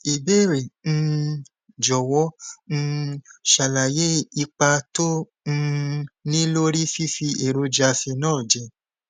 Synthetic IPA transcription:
i˨be˦˨ɾe˨n̩˧ | d͡ʒɔ˨wɔ˦n̩˧ʃa˨la˨je˦i˧k͡pa˧tõ˦˧ | nĩ˦lo˦ɾi˦fi˦fi˧e˨ɾo˧d͡ʒa˧fi˧nãː˦˨d͡ʒɛ˧

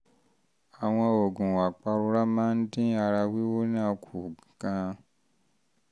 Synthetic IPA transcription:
a˨w̃ɔ̃˧o˨ɡũ˨wa˨k͡pa˧ɾu˧ɾa˦mã˦n̩˦dĩ˦a˧ɾa˧wi˦wo˦nã˦kʰu˨ɡ̥ã˧

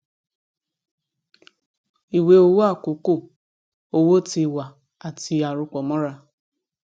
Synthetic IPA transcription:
i˨we˦o˦wo˦a˦˨ko˨ko˦˨ | o˦wo˦ti˨wa˨ | a˨ti˨a˨ɾʊ˦k͡pɔ˨mɔ˦ɾa˦

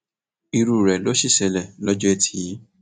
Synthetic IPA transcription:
i˧ɾu˨ɾɛ˨lo˨˦ʃi˦˨sɛ˧lɛ˨lɔ˦d͡ʒɔ˦e˦˨tʰi̥˨i˨˦

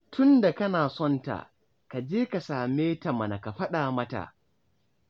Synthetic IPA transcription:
tʰʊ˦nda˨kɐ˦naː˨sɔ˦nta̰˨ | ka˨d͡ʒeː˦ka˨saː˨meː˦tɐ˨mɐ˨na˨ka˨ɸɐ˦ɗaː˨mɐ˦ta̰˨ʔ

